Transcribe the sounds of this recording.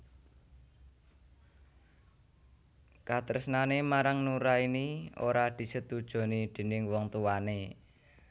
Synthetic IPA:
kat̪əɾəsnanemaɾaŋnuɾainio̰ɾad̪̥i̤sət̪ud̥ʒ̥o̤nid̪̥ə̤nɪŋwɔŋt̪uwane

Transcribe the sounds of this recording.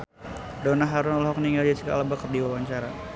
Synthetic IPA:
donaɦaɾʊnɔlɔɦɔkniŋɡald͡ʒat͡ʃika̰labakər̚diwawaɲt͡ʃaɾa̰

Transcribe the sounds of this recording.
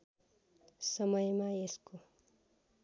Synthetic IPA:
sʌmʌjmaesko

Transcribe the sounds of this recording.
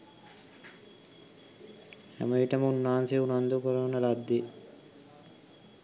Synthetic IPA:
a̰məiʈəmunːaːnseunand̪ukəɾəʋnəlad̪ːe

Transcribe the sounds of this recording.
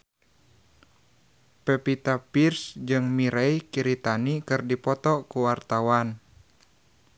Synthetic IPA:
pɛpit̪apirsd͡ʒɨŋmiɾɛjkiɾit̪anikɨrdipɔt̪ɔkuwart̪awan

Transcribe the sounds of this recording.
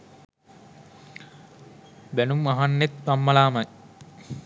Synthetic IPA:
bænumːaɦanːet̪ʋamːɐlaːmɐj

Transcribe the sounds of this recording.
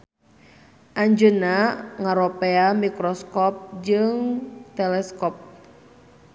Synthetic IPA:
ʔaɲd͡ʒənaŋaɾɔpeamikɾɔskɔp̚d͡ʒɨŋt̪ɛlɛskɔp̚

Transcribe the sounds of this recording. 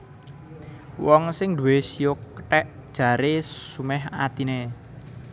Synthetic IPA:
wɔŋsɪŋd̪ṳwesijokə̥ʈɛʔd̥ʒ̥ä̤ɾesumɛɦa̰t̪ine

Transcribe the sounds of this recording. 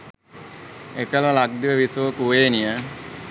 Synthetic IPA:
ekəlalak̚d̪iʋəʋisuʋəkuʋeːnijə

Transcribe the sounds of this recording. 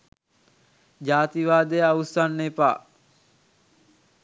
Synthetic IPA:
d͡ʒaːt̪iʋaːd̪ejəausanːepa̰ː

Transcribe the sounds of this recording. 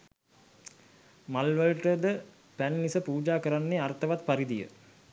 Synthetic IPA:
malʋəlʈəd̪ə | pænːisəpuːd͡ʒaːkəɾanːeart̪əʋat̪paɾid̪ijə̰

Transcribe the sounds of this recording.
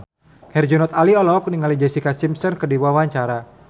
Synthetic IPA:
hɛrd͡ʒɔnɔt̪aliɔlɔk̚niŋalid͡ʒɛsikasimsɔnkədiwawaɲt͡ʃaɾa

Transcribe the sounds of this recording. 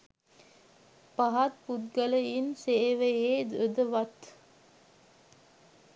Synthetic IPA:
paɦat̪̚put̪̚ɡələinseːʋəeːd̪əd̪əʋat̪

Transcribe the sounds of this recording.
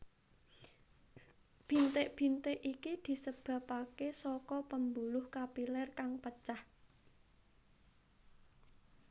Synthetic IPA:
b̥i̤nt̪eʔb̥i̤nt̪eʔikid̪̥i̤səb̥ä̤pakesɔkɔpəmbulʊhkapilɛrkaŋpət͡ʃah

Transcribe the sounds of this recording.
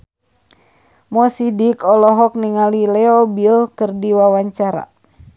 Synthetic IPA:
mɔsidikɔlɔɦɔk̚niŋalilɛɔbilkɨrdiwawaɲt͡ʃaɾa̰

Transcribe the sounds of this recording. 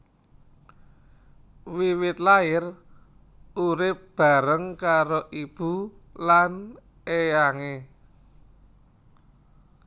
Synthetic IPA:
wiwɪt̪laɪr | uɾɪp̚b̥a̤ɾəŋkaɾoʔib̥u | lan | ejaŋe

